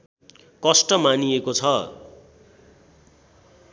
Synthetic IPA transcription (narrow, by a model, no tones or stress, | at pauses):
kʌsʈʌmaniekot͡sʰʌ